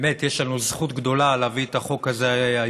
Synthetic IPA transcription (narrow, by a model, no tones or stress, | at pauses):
met̪jeʃlanuzχut̪ɡd̪o̞laleaviet̪aχo̞kazea